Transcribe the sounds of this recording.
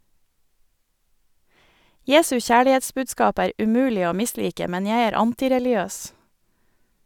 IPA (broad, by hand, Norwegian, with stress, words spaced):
ˈjeːsʉ ˈçæːɭɪˌeːtsbʉːdˌskɑːp ˈæːɾ ʉˈmʉːlɪ ˈoː ˈmɪˌsliːkə ˈmɛn ˈjæɪ ˈæːɾ ˈɑntɪɾɛlɪˌøːs